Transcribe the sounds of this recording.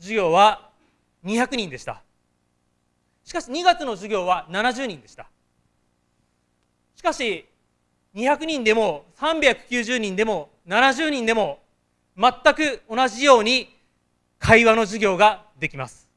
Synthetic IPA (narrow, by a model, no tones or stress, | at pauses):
ʑiɡʲo̞ːβa | ɲ̟içakɯ̟ɲ̟ĩnd̪e̞ɕi̥t̪a̰ | ɕi̥kaɕiɲ̟iɡat͡sɨno̞ʑiɡʲo̞ːβananaʑɨːɲ̟ĩnd̪e̞ɕi̥t̪ḁ | ɕi̥kaɕi | ɲ̟içakɯ̟ɲ̟ĩnd̪e̞mo̞sãmbʲjakɯ̟̥kʲɨːʑɨːɲ̟ĩnd̪e̞mo̞ | nanaʑɨːɲ̟ĩnd̪e̞mo̞ | mat̪ːakɯ̟o̞naʑijo̞ːɲ̟i | kʰaiβano̞ʑiɡʲo̞ːɡa | d̪e̞kʲimasɨ̥